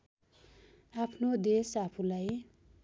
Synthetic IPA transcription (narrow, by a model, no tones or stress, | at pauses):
apʰnod̪esapʰulaj